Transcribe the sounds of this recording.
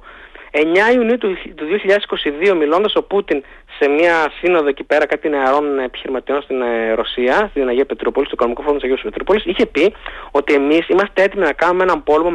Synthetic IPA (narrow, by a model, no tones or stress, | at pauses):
e̞ɲɐiuniut̪t̪uðio̞çiʎɐðesi̥ko̞siðio̞milo̞nd̪ɐso̞put̪in | se̞miɐsino̞ðo̞ecipe̞ɾɐkɐt̪ineɐɾo̞nepi̥çiɾimɐt̪io̞nst̪inɾo̞siɐst̪ininɐʝiɐpe̞t̪ɾupo̞list̪oiko̞no̞mikooɾt̪sɐʝespet̪ɾupo̞lisiçe̞pio̞t̪ie̞misimɐst̪ee̞t̪iminɐkɐnumeenɐmpo̞lmom